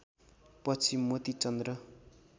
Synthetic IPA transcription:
pʌt͡sʰimːot̪it͡sʌnd̪rʌ

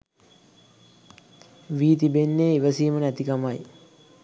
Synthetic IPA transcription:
ʋiːt̪ibenːeiʋəsiːmənæt̪ikamaj

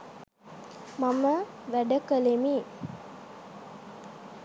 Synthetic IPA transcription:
mamə | ʋæɖəkəlemi

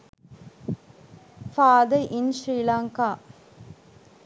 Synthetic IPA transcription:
faːd̪ɐʔɪnʃɾiːlaːŋkaː

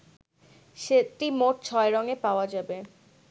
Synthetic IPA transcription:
ʃeʈimoʈ̚t͡ɕʰɔeɾɔŋepaoad͡ʑabe

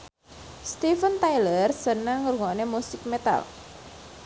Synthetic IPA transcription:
st̪ifənt̪ajlərsənaŋəɾuŋɔnemusɪk̚met̪a̰l

